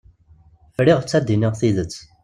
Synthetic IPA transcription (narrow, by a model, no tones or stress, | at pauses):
fɾɪʁət͡sːæd̪ːinɪʁθiðət͡sː